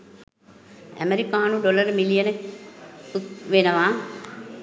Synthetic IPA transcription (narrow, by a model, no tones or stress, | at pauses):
æ̰meɾikaːnuɖoləɾmilijənə | puk̪ʋenəʋaː